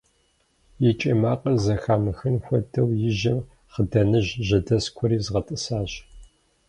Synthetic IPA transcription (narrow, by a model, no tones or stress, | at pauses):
jɪt͡ʃʼiːmaːqʼɐzɐxaːmɨxɨnxʷɔdʰɐwjɪʒɐm | χədɐnɨʑʒɐdɐskʷʰɔɾiːzʁɐtʼɨsaːʑ